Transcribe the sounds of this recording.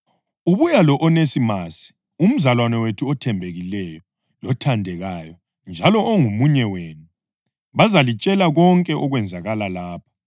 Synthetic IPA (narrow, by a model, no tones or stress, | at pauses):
uβujalɔʔɔnesimasi̥ | um̩zalwanɛwetʰuɔtʰɛmbʱeɣilɛjɔ | lɔtʰandʱɛɣajɔ | nd͡ʒʱalɔʔːŋumuɲɛweːnu | βazalit͡ʃʼɛlaɣɔŋkʼɛʔɔɣwɛnd͡zʱaɣalalaːpʰḁ